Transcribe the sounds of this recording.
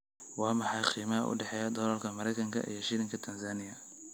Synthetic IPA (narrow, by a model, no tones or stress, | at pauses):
wɑːmɑħɑjqiːmɐɦɐ̰ʔʊ̰ɖɛħɛːjɐd̪ɔlɐlkʰɐmɐɾɛjkʰɐŋkʰɐ̰ʔḭjɞʃɪɾɪŋkʰɐt̪ʰɐnsaːnɪjɐ